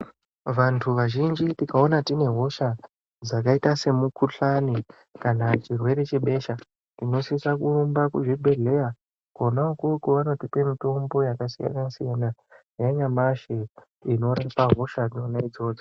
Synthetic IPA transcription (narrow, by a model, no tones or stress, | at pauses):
ʋantʰuʋaʒind͡ʒitikao̞natine̞ɦo̞ʃa | d͡zakaitase̞mukʰuɬani | kanat͡ʃirwe̞ɾe̞t͡ʃe̞ɓe̞ʃa | tino̞siisakuumbakuʐibʱe̞ɮe̞ja | konaokukuʋano̞tipe̞mito̞mbo̞jakasija̰nasijana | jaɲamaʃe | ino̞ɾapaɦo̞ʃad͡zinonaid͡zo̞ːd͡zo